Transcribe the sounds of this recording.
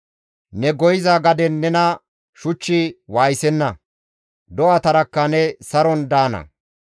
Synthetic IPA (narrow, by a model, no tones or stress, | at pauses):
nɛɡɔjɪzaɡɐd̪ɛnːɛnɐ | ʃʊt͡ʃːɪwaːjsɛnːɐ | d̪ɔʔaːt̪ɐɾɐkːɐnɛsɐɾɔnd̪aːnɐ̰